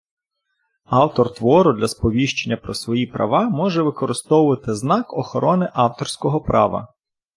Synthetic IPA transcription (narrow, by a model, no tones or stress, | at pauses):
ɑwt̪ɔrt̪ʋɔɾʊd̪lʲɐspɔʋʲiʃt͡ʃenʲːɐpɾɔsʋɔjipɾʔɐ̰ʋɑmɔʒɛʋɪkɔɾɪst̪ɔwʊʋɐt̪ɪznɑkɔxɔɾʔɔnɪʔɑwt̪ɔrsʲkɔɦɔpɾʔɑʋɐ̰